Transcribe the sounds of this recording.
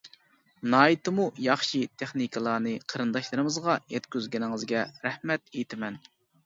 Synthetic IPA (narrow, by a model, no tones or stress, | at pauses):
nɑːit̪ɨmujɑχʃit̪ʰeχnikʰɨlˠɑːnɨqʰəɾɨnd̪ɑʃlˠɨɾɨmɨzʁɑjɛt̪kʲyzɡʲɛnɪŋɨzɡʲɛɾɛhmɛt̪ejt̪ʰɪmɛn